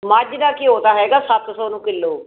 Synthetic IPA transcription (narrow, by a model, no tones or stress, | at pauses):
məd͡ʒd̪aːkiːɦoːt̪aːɦɛːɡaːsət̪sɔːnũːkɪlːoː